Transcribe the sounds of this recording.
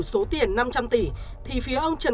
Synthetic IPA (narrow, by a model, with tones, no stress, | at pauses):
so˨˦t̪i˨˩ənːa˧mt͡ɕa˧mt̪i˧˩t̪ʰi˨˩fi˨˦əʔə˧wŋ͡mt͡ɕə˨˩